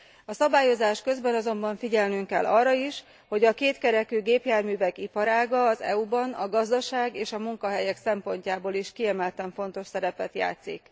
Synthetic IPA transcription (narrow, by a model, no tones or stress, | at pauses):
ɒsɒbaːjo̞zaːʃkø̞zbɛnɒzo̞mbɒɱfiɟɛlnyŋkɛlːʔɒrːɒiʃ | ho̞ɟɒkeːt̪kɛɾɛkyːɡeːpjaːrmyːvɛkipɒɾaːɡɒːzɛ̰ubɒnɒɡɒzd̪ɒʃaːɡeːʃɒmuŋkɒɦɛjɛksɛmpo̞ɲcaːboːliʃkiɛmɛlt̪ɛɱfo̞nt̪o̞ʃsɛɾɛpɛt̪ja̰ːt̪sḭk